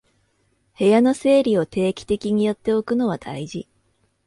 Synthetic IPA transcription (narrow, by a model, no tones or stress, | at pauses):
he̞jano̞se̞ːɾʲio̞t̪e̞ːkʲi̥t̪e̞kʲiɲ̟ijo̞t̪ːe̞o̞kɯ̟no̞β̞ad̪̥a̰iʑi